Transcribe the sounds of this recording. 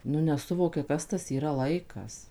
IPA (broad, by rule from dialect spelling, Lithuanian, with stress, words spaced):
nʊ nʲɛˈsʊʋoːkʲɛ ˈkɐs tɐs iːˈrɐ ˈlˠɐɪkɐs